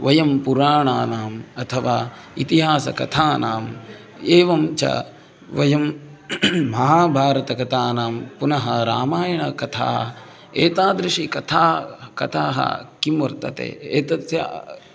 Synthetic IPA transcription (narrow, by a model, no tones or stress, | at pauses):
ʋɐjɐmpuɾaːɳaːnaːmɐt̪ʰɐʋaː | it̪iɦaːsɐ̰kɐt̪ʰaːnaːm | eːʋɐmt͡ʃɐ̰ | ʋɐjɐmː | ɐɦaːbʱaːɾɐt̪ɐkɐt̪ʰaːnaːmpunɐɦɐɾaːmaːjɐɳɐkɐt̪ʰa̰ːɦɐ̰ | eːt̪aːd̪ɾiʂikɐt̪ʰaːkɐt̪ʰaːɦɐ̰kimʋɐɾt̪ɐ̰t̪ḛːeːt̪ɐt̪ja̰